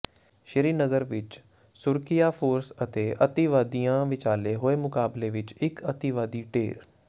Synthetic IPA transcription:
ʃəɾiːnəɡəɾʋɪt͡ʃ | sʊɾkijaːpʰoːɾsət̪eːʔət̪iːʋaːd̪ijãːʋɪt͡ʃaːleːɦoːeːmʊkaːbleːʋɪt͡ʃɪkət̪iːʋaːd̪iːʈḛːɾ

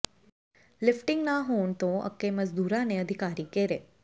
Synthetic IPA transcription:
lɪfʈɪŋɡnaɦoɳt̪oə̰kːeməd͡zd̪uːɾaneəd̪ʱikaɾiːkeɾe

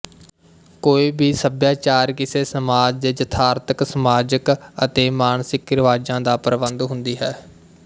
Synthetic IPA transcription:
koːiːbʱiːsəbjaːt͡ʃaːɾkɪseːsəmaːd͡ʒd̪ed͡ʒət̪ʰaːɾt̪ʰəksəmaːd͡ʒəkət̪eːmaːnsɪkɾʋaːd͡ʒãːd̪aːpəɾəbənd̪ɦʊ̃nd̪iːɦɛː

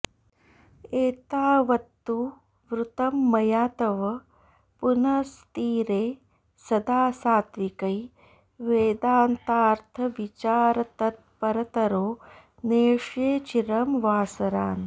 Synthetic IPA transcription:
eːt̪aːʋɐt̪ːu | ʋɾut̪ɐmːɐjaːt̪ɐʋɐ | punɐst̪iːɾeː | sɐd̪aːsaːt̪ʋikɐj | ʋeːd̪aːnt̪aːɾt̪ʰɐʋit͡ʃaːɾɐt̪ɐt̪̚pɐɾɐt̪ɐɾoː | neːʂeːt͡ʃiɾɐmʋaːsɐɾaːn

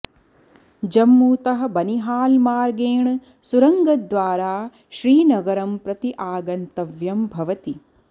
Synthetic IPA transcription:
d͡ʒɐmːuːt̪ɐɦɐ̆bɐniɦaːlmaːɾɡeːɳ | suɾɐŋɡɐd̪ʋaːɾaː | ʃɾiːnɐɡɐɾɐmpɾɐt̪iʔaːɡɐnt̪ɐʋjɐmbʱɐʋɐt̪i

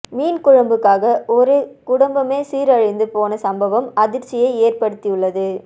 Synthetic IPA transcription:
miːnkʊɻɐmbɯkːaːɣɐʔɔɾɯkʊɽɐmbɐmeːsiːɾɐɻɐɪnd̪ɯpoːnɐsɐmbɐʋɐmɐðɪɾt͡ʃɪjɐɪeːrpɐɽɯt̪ːɪjɯɭːɐðɯ

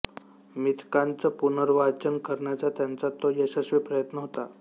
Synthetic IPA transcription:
mit̪ʰkant͡səpunəɾʋat͡ɕənkəɾɳjat͡sat̪jant͡sat̪ːojəɕəɕʋipɾəjət̪nəɦot̪a

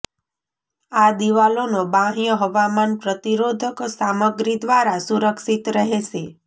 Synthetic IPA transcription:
ad̪iʋalonobãɦijəɦəʋamanpɾət̪iɾod̪ʱəksaməɡɾid̪ʋaɾasuɾəkʃit̪ɾəɦeʃe

